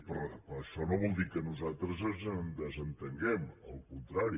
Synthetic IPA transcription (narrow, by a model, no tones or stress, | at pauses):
pəɾpɾəʃɔnoβɔlˠd̪ikənuzat̪ɾəzənd̪əzənt̪əŋɡɛməlˠkunt̪ɾaɾi